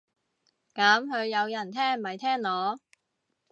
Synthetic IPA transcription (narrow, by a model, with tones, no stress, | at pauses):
kɐ˨˥mhɵ˨˧ɥjɐ˨˧wjɐ˨˩nt̪ʰɛː˥ŋ˨mɐ˨˩jt̪ʰɛː˥ŋlɔː˨˧˥